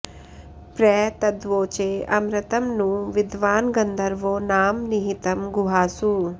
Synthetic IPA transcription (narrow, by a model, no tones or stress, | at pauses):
pɾɛːt̪ɐd̪ʋoːt͡ʃeːɐ̰mɾɐt̪ɐmnuʋid̪ʋaːnɡɐnd̪ʱɐɾʋoːnaːmniɦit̪ɐmɡuɦaːsu